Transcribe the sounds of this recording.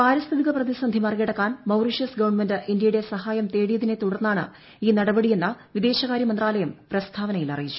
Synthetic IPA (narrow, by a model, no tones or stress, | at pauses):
paːɾɐst̪ʰɐðiɣɐprɐðisɐnd̪ʱimɐrikiɽɐkːaːnmɐwriʂɐsɡɐʋɐɳmendɨʔindjɐjuɽe̞sɐhaːjɐmt̪e̞ːɽijɐðinet̪uɽɐrnːaːɳɨ̰ | iːnɐɽɐbɐɽije̞nːɐʋid̪e̞ːɕɐɣaːɾjɐmɐnd̪raːlɐjɐmprɐst̪ʰaːʋɐnɐjilɐ̰rijit͡ɕːu̥